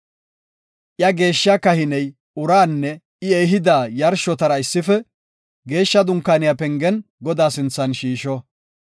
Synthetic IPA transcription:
ʔjɐɡe̞ːʃːakɐhɪnɛj | ʊɾaːnːɛ | ɪɛjɦɪd̪aːjɐɾʃɔt̪ɐɾɐɪsːɪfɛ | ɡe̞ːʃːɐd̪ʊŋkːaːnɪjapɛŋɡɛnɡɔd̪aːsɪnt͡sːɐnʃiːʃɔ

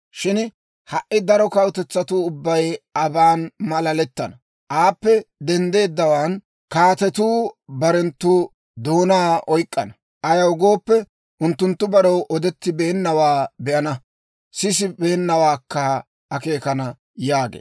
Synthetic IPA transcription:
ʃɪn | hɐʔːɪd̪ɐɾɔkɐwʊt̪ɛt͡sːɐt̪uʊbːɐjɐbaːnmɐlɐlɛt̪ːɐnɐ | ʔaːpːɛd̪ɛnd̪e̞ːd̪ːɐwaːn | kaːt̪ɛt̪uːbɐɾɛnt̪ːuː | d̪o̞ːnaːɔjkʼːɐnɐ | ʔɐjɐwɡo̞ːpːɛ | ʔʊnt̪ːʊnt̪ːʊbɐɾɔwʔɔd̪ɛt̪ːɪbe̞ːnːɐwaːbɛʔɐnɐ | sɪs̬ɪbe̞ːnːɐwaːkːɐ | ʔɐke̞ːkɐnɐ | jaːɡḛː

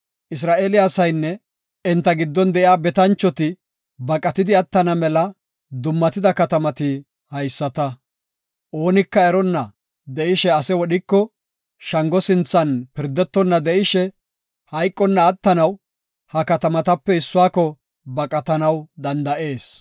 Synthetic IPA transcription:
ʔɪs̬ɾaːʔeːlɪasɐjnːɛ | ɪnt̪ːɐɡɪd̪ːɔnd̪ɛʔɪaːbɛt̪ɐnt͡ʃːɔt̪ɪ | bɐkʼːɐt̪ɪd̪ɪɐt̪ːɐnɐmɛlɐ | d̪ʊmːɐt̪ɪd̪ɐkɐt̪ɐmɐt̪ɪ | hɐjsːɐt̪ɐ | ʔo̞ːnɪkːɐɛɾɔnːɐ | d̪ɛʔɪʃɛɐsɛwɔɗɪkːɔ | ʃɐŋɡɔsɪnt͡sːɐnpɪɾd̪ɛt̪ːɔnːɐd̪ɛʔɪʃɛ | hɐjkʼːɔnːɐːt̪ːɐnɐw | hɐkɐt̪ɐmɐt̪ɐpːɛɪsːʊaːkɔ | bɐkʼɐt̪ɐnɐwd̪ɐnd̪ɐʔe̞ːs

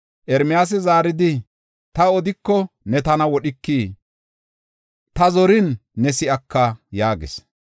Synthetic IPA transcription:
ʔɛɾmɪjaːs̬ɛzaːɾɪd̪ɪ | t̪ɐɔd̪ɪkːɔnɛt̪ɐnɐwɔɗɪkːiː | t̪ɐzɔɾɪnːɛsɪɐkːɐjaːɡɪ̰s

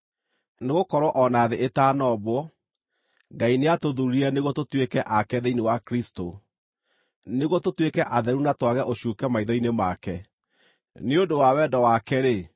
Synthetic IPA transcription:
neɣokɔɾwɔʔɔnaðeʔetaːnɔβwɔ | ɡaineatoðuɾiɛneɣɔtotwekɛʔakɛðeinewakɾisto | neɣwɔtotwekɛʔaðɛɾunatwaɣɛʔoɕuːkɛmaiðɔinemakɛ | neodowawɛdɔwakɛɾe

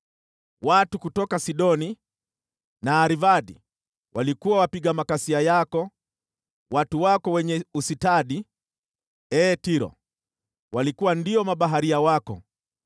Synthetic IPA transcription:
watukutɔkasiɗɔni | naːɾivaɗḭ | wʔalikuwawapiɡamakasiajakɔ | watuwakɔwɛɲɛusitaɗi | ɛːtiɾɔ̰ | walikuwandiɔmaɓaɦaɾiawakɔ̰

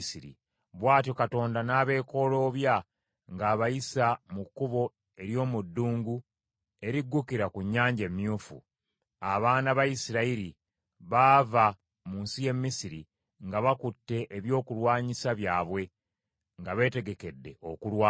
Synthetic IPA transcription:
siɾḭ | βwaːtjo̞kato̞ːndanaːβe̞ːko̞lo̞ːβja | ŋɡaːβajisamukːuβo̞ | e̞ɾjo̞ːmudːuːŋɡu | e̞ɾiɡːukiɾakuɲːaːɲɟe̞mːjuːfṵ | aβaːnaβajisiɾaiɾi | βaːva | muːnsije̞mːisiɾi | ŋɡaβakutːe̞ʔeβjo̞ːkulwaːɲisaβjaːβwe̞ | ŋɡaβe̞ːte̞ɡe̞ke̞dːe̞o̞kulwaː

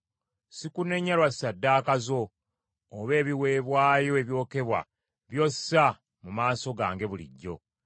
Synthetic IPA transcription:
sikune̞ɲːalwassadːaːkazoː | βe̞ːβiwe̞ːβwaːjo̞e̞βjo̞ːke̞βwa̰ | βjo̞sa | mumaːso̞ɡaːŋɡe̞βulḭɟːo̞̰

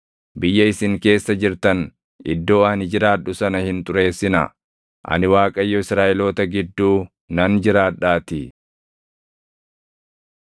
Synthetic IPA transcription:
bɪjːɐɪsɪŋke̞ːsːɐd͡ʒɪɾt̪ɐn | ʔɪ̰d̪ːo̞ːɐnɪd͡ʒɪɾaːᶑʊsɐnɐhɪnt̪ʼʊɾe̞ːsːɪnɐ̰ | ʔɐ̰nɪwaːkʼɐjːɔɪsɾaːʔɛloːt̪ɐɡɪd̪ːuː | nɐnd͡ʒɪɾaːᶑaːt̪ɪ

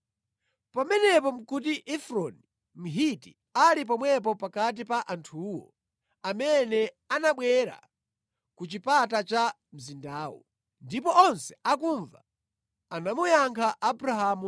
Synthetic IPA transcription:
pamɛnɛp̬ɔm̩kut̬iʔɛfɾɔni | m̩ɦitḭ | alip̬ɔmwɛp̬ɔpakat̬ipaʔantʰuːwɔ̰ | amɛnɛ | anaɓwɛɾa̰ | kut͡ʃipatat͡ʃa | m̩zindaːwɔ̰ | ndipɔʔɔnsɛ̥ak̬uɱva̰ | anamujaŋkʰaʔabuɾahamu

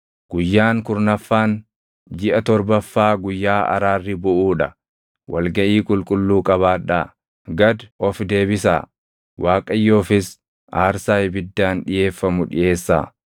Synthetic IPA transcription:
ɡ̥ʊjːaːŋkʊɾnɐfːaːn | d͡ʒɪʔɐt̪ɔɾbɐfːaːɡʊjːaːɐ̰ɾaːrːɪbʊʔuːᶑɐ | wʔɐ̰lɡɐʔiːkʼʊlkʼʊlːuːkʼɐβaːᶑɐ̰ | ɡɐd̪ʔɔfd̪e̞ːbɪsa̰ː | waːkʼɐjːo̞ːfɪs | aːɾsaːjbɪd̪ːaːnᶑɪje̞ːfːɐmʊᶑɪ̰ʔe̞ːsːa̰ː

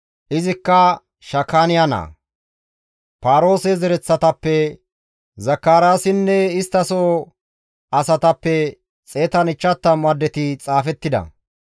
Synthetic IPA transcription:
ʔɪzɪkːɐ | ʃɐkːaːnɪjanɐ̰ː | paːɾo̞ːsɛzɛɾɛt͡sːɐt̪ɐpːɛ | zɐkːaːɾaːsɪnːɛɪst̪ːɐsoː | ɐsɐt̪ɐpːɛ | t͡sʼeːt̪ɐnɪt͡ʃːɐt̪ːɐmɐd̪ːɛt̪ɪt͡sʼaːfɛt̪ːɪd̪ɐ̰

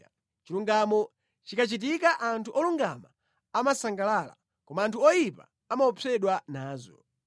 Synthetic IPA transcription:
t͡ʃiluŋɡamɔ | t͡ʃikat͡ʃit̬ikaʔantʰuʔɔluŋɡama | amasaŋɡalala̰ | kɔmaːntʰuɔjipa̰ | amaɔpʰɛɗwanaːzɔ̰

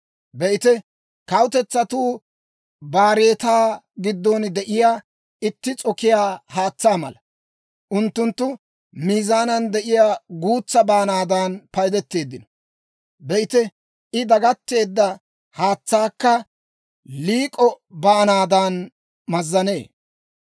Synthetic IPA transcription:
bɛʔɪt̪ɛ | kɐwt̪ɛt͡sːɐt̪uː | baːɾeːt̪aː | ɡɪd̪ːɔnd̪ɛʔɪjaː | ɪt̪ːɪt͡sʼɔkːɪjaːhaːt͡sːaːmɐ̰lɐ | ʔʊnt̪ːʊnt̪ːʊ | miːzaːnɐnd̪ɛʔɪjaːɡuːt͡sːɐbaːnaːd̪aːnpɐjd̪ɛt̪ːe̞ːd̪ːɪnɔ | bɛɪt̪ɛ | ɪd̪ɐɡɐt̪ːe̞ːd̪ːɐ | haːt͡sːaːkːɐ | liːkʼɔ | baːnaːd̪aːn | mɐzːɐne̞ː

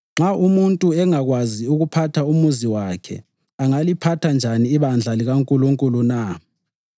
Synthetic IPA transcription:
ŋ͡ǁaʔumuntʼuɛŋaɣwaziuɣupʰatʰaumuziwakʰɛ̰ | aŋalipʰatʰand͡ʒʱaniːβand͡ɮʱaliɣaŋkʼuluŋkʼuluna

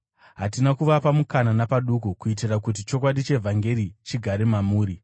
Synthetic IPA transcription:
ɦatinakuʋapamukananapaɗukukuit̬irakut̬it͡ʃo̞k̬waɗit͡ʃe̞vʱaŋɡe̞ɾit͡ʃiɡʱaɾemamuːɾi

